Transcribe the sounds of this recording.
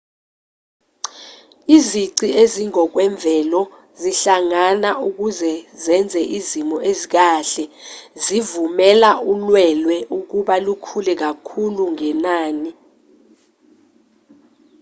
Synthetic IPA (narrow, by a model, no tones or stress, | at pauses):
iziǀieziŋɔk̬wɛɱb̪vʱɛlɔ | ziɬaŋanaʔuk̬uzɛzɛnd͡zʱɛʔizimɔʔezik̬aɬɛzivumɛlaulwɛlwɛʔuk̬uɓalukʰulɛk̬akʰuluŋɛnaːni